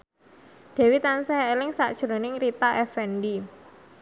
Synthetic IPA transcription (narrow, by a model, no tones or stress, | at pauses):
d̪̥ɛ̤wit̪ansɛelɪŋsa̰ʔd̥ʒ̥ɾo̤nɪŋɾit̪aʔɛfɛndi